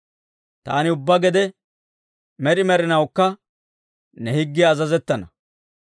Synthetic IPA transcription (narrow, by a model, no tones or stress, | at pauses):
t̪a̰ːnɪʊbːɐɡɛd̪ɛ | mɛɾɪmɛɾɪnɐwkːɐ | nɛhɪɡːɪːzɐzɛt̪ːɐnɐ